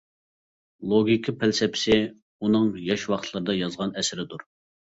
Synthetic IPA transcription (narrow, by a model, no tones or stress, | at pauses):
lˠoɡʲikʲʰipʰælsɛpʰɪ̥sɪ | unɨŋjɑʃwɑχt̪ʰlˠɨɾɨd̪ɑjɑzʁɑnɛsɪɾɪd̪uɾ